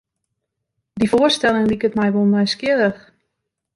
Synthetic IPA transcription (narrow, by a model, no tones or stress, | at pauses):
divoərstɛlˠɪŋlikətmɛjʋolˠmɛjskjɪləx